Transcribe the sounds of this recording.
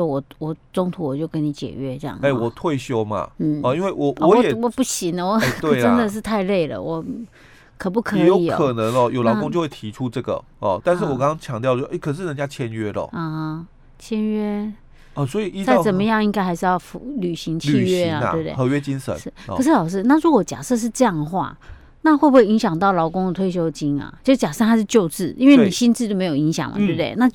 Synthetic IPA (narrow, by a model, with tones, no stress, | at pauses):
ɔ˥˧wɔ˨˩wɔ˨˩t͡so˥ŋt̪ʰu˧˥wɔ˨˩t͡ɕjo˥˩ʊkə˦˥ni˧˦t͡ɕjɛ̰˨˩ɥɛ˥ʈ͡ʂjɑ̰˥˩ŋe˥˩wɔ˨˩t̪ʰwe˥˩ɪɕjo˥ʊma̰˨n̩˥˩ɔ˧i˥nwe˥˩ɪwɔ˨˩wɔ˧˦jɛ˨˩wɔ˨˩pu˥˩ɕi˧˦ŋd̪ə˨wɔ˨˩˥t̪we˥ɪʈ͡ʂə˦nd̪ə˨ʂ̬ɻ̩˥˧t̪ʰa˥˧ɪle˥˩ɪlə̰˩wɔ˨˩˦ | kʰɤ˨˩p̬u˥˩kʰɤ˧˨˦jo˧˦ʊi˧o̰˨ə˨˦˩nə˨˧˦ŋlɔ˧jo˨˩ʊlɑ˨˥kʊ˥ŋt͡ɕjo˥˧we˥˩t̪ʰi˧˥ʈ͡ʂʰu˦ʈ͡ʂɤ˥˩ɡə̰˩ | ɔ˨˩t̪nʂɻ̩˥˩wɔ˨˩kɑ˥ŋɑ˥ŋt͡ɕʰjɑ˧˦ŋt̪jɑ˥˧ʊ˥ʔe˥˩kʰə˨˩ʂ̬ɻ̩˥˩nə˧˦nt͡ɕja˥t͡ɕʰjɛ˥nɥɛ˥lə̰˨˩ɔ˥˧˩ | t͡ɕʰjɛ˥nɥɛ˥ | ə˨˩swɔ˧˥i˨i˥t͡sa˥˩t͡sə˨˩nmə˦jɑ˥˧ŋi˥ŋka˥ɪxa˧˥ɪʂɻ̩˥˧jɑ˥˩ʊfu˧˥ly˨˩ɕi˧˥ŋt͡ɕʰi˥˩ɥɛ˥˧a˨˧˨e˥˩t̪ḛ˥˧˩ɤ˧˦ɥɛ˦t͡ɕi˦nʂə̰˦nʂɻ̩˥˩kʰɤ˩ʂ̬̩˥˩lɑ˨˩ʊʂ̬ɻ̩˥˩˧na˥˨ɻu˧˥kwɔ˧˦t͡ɕja̰˨˩ʂɤ˥˧ʂ̬ɻ̩˥˧ʈ͡ʂɤ˥˧jɑ˥˩ŋd̪ə˩xwa̰˥˩ | na˥˧xwe˥˩bu˧xwe˥˩ɪi˧˥ŋɕjɑ˨˩ŋt̪ɑ˥˩ʊlɑ˧˥ʊkʊ˥ŋd̪ə˨t̪ʰwe˥ɪɕ̬jo˥ʊt͡ɕi˥nɐ̰˨t͡ɕjo˥˧ʂ̩˥˩t͡ɕja˨˩ʂɤ˥˩xa˥ɪʂɻ̩˥˧t͡ɕjo˥˧ʊt͡sɹ̩˥˩ʔi˥nwe˥˩ɪni˨˩ɕi˥nt͡sɻ̩˥˧jo˥˩me˧˥ɪjo˨˩i˧˥ŋɕjɑ̰˨˩ŋmə̰˨t̪we˥˩bə˩t̪e˥˩ɪna˥˧